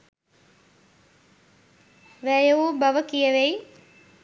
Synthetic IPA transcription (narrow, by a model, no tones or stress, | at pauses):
ʋæːjəubaʋəkijəʋej